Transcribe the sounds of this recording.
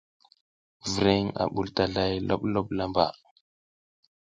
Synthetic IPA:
vɾi˦ŋa̰˨ɓu˨lta˨ɮa˦jlo̰˦ɓlo˦ɓla˦mba̰˨

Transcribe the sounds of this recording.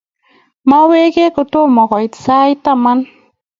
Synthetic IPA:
ma˦we˦ke˦ko˨to˦mɔ˨kɔ˨i˨sa˦i˦ta˦ma˦n

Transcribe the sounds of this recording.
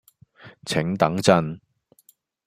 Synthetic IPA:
t͡sʰɪ˨˥ŋt̪ɐ˨˥ŋt͡sɐ˥n

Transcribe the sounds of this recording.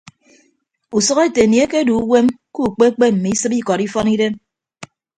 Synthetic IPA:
u˨sɔ˦ɣe˦te˨ni˨e˦ke˦du˨u˦we˦m | ku˦˨k͡pe˦k͡pe˦m̩˨mi˨i˦sɨ˦pi˦kɔ˨ɾi˦fɔ˦ni˦de˦n

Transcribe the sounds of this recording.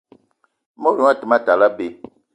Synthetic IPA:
mo˦ɾu˨˦a˦tə˨ma˦˨ta˨la˦be˨

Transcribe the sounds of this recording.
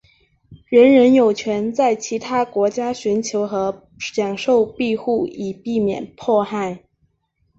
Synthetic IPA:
ɻə˧˥nɻə˧˥njo˨˩ʊt͡ɕʰɥɛ˧˥nt͡sa˥˩ɪt͡ɕʰi˧˥t̪ʰa˥kwɔ˧˥t͡ɕja˥ɕy˧˥nt͡ɕʰjo˧˥ʊxɤ˧˥ | jɑ˨˩ŋʂo˥˧ʊpi˥˧xu˥˩i˨˩pi˥˩mjɛ̰˨˩npʰwɔ˥˧xa˥˩ɪ

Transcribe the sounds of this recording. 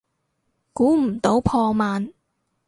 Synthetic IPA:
kuː˨˥m̩˨˩t̪o˨˥wpʰɔː˧maː˨n

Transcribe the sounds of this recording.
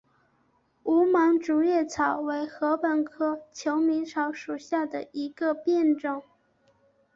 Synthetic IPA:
u˧˥mɑ˧˥ŋʈ͡ʂu˨˩jɛ˥˩t͡sʰɑ˨˩ʊwe˧˥ɪxɤ˧˥pə˨˩nkʰɤ˥t͡ɕʰjo˧˥ʊmi˧˥ŋʈ͡ʂʰɑ˧˥ʊʂu˨˩ɕja˥˩d̪ə˩i˧˥ɡə˧pjɛ˥˧nʈ͡ʂɤ˥˩ŋ

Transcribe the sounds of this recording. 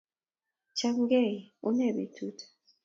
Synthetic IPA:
t͡ʃa˦ŋ˦ɡɛ˦˨u˦nɛ˨bḭ˨tʰu˦tʰḁ˨

